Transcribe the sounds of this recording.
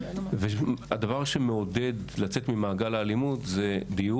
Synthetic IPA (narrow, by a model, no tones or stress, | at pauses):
vead̪avaʁʃe̞meod̪e̞d̪lat͡se̞t̪mimaːɡalaːlimut̪zed̪iju